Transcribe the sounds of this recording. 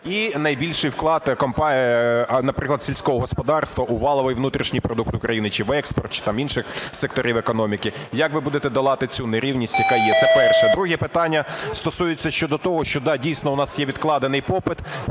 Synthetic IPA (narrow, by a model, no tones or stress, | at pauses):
inɐjbʲilʲʃɪjwklˠɑt̪kɔmpɑ | nɐpɾɪklˠɐd̪sʲilʲsʲkɔɦɔɦɔspɔd̪ɑrst̪ʋɐʔʊʋɑlˠɔʋɪjʋnut̪ɾʲiʃnʲijpɾɔd̪ukt̪ʊkɾɐjinɪt͡ʃɪʋɛkspɔrt̪̚t͡ʃɪ̥t̪ɑminʃɪxsek̚t̪ɔɾʲiʋɛkɔnɔmʲikɪjɐkʋɪbud̪et̪ɛd̪ɐlˠɑt̪ɪt͡sʲuneɾʲiwnʲisʲtʲjɐkajjɛt̪sɛpɛrʃɛd̪ɾuɦipɪt̪ɑnʲːɐst̪ɔsujɪt͡sʲːɐʃt͡ʃɔd̪ɔt̪ɔɦɔʃt͡ʃɔd̪ɑdʲijsʲnɔʊnɑsjɛʋʲid̪klˠɑd̪enɪjpɔpɪt̪